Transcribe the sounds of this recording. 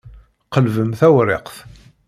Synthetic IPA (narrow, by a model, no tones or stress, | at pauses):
qːəlvəmθæwɾɪ̰qθ